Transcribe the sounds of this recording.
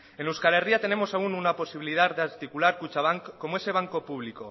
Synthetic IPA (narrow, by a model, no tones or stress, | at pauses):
enuwskale̞riat̪e̞ne̞mo̞saununapo̞siβilið̞aɾdeaɾt̪ikulaɾkut͡ʃaβ̞aŋkkːo̞moe̞se̞β̞aŋko̞puβ̞liko